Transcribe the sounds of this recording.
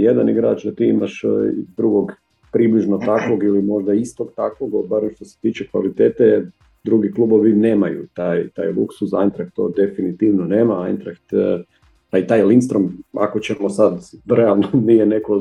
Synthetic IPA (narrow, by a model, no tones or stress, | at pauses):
jed̪aniɡɾa̰ːt͡ʃd̪at̪iimaʃḭd̪ɾuɡo̞ɡ | pɾibliʒnot̪akʋo̞ɡilimo̞ʒd̪aist̪oɡt̪akʋoɡobaɾemʃt̪o̞se̥t̪iːt͡ʃekʋa̰lit̪eːt̪e | d̪ɾuɡiklˠuːbo̞ʋine̞ːmajṵt̪ajt̪a̰ːjlˠṵksusajnt̪ɾak̚t̪ːo̞̰d̪e̞finit̪iːʋnoneːmaajnt̪ɾakt̪ | ait̪aːjlinst̪ɾoma̰kot͡ɕemosad̪ɾealˠnonijeneko